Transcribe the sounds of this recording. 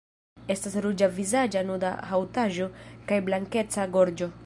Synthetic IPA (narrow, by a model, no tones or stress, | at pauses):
e̞stasɾud͡ʒavizad͡ʒanuda̰ɦawtaʒo̞kajblaŋke̞t͡saɡo̞ɾd͡ʒo̞